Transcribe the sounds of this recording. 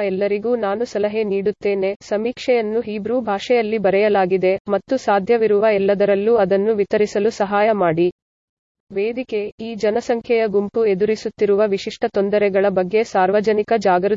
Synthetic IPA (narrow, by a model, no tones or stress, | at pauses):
ɛlːɐɾiɡuːnaːnusɐlɐɦe̞niːɽut̪ːeːne̞sɐmiːkʂɛjɐnːuɦiːbɾuːbʱaːʂɛjɐlːibɐɾɛjɐlaːɡid̪e̞mɐt̪ːusaːd̪ʱjɐʋiɾuʋɐɛlːɐd̪ɐɾɐlːuɐd̪ɐnːuʋit̪ɐɾisɐlusɐɦaːjɐmaːɽi | ʋeːd̪ike̞iːd͡ʒɐnɐsɐŋkʰjɛjɐɡumpue̞d̪uɾisut̪ːiɾuʋɐʋiʂiʂʈʰɐt̪ond̪ɐɾɛɡɐɭɐbɐɡːe̞saːɾʋɐd͡ʒɐnikɐd͡ʒaːɡɐɾu